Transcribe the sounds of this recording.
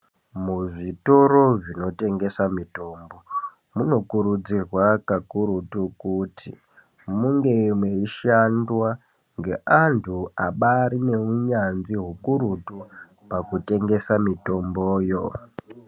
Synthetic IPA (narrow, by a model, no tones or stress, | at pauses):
muʐitoɾo̞ʐino̞te̞ŋɡe̞samito̞mbo̞ | muno̞kuɾud͡zirwakakuɾutukutḭ | muŋɡe̞mweiʃandwa | ŋɡe̞ʔantʰuaɓaɾine̞uɲanziɦukuɾutu | pakute̞ŋɡe̞samito̞mboːjo̞